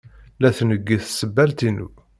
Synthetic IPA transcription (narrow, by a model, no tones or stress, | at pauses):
læθnəɡːiθsəbːælt̪inṵ